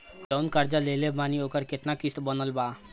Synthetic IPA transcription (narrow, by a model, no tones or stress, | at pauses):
t͡ʃəʊnkəɾd͡ʒaleːlebaːnioːkəɾkɪt̪nakɪst̪bənəlbaː